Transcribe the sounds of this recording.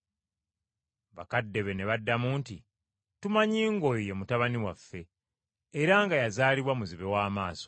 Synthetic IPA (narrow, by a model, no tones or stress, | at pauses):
βa̰kadːe̞βe̞ne̞βadːamuːnti | tumaɲiːŋɡo̞jje̞mutaβaniwafːe̞ː | ɾaŋɡajazaːliβwamuziβe̞waːmaːso̞̥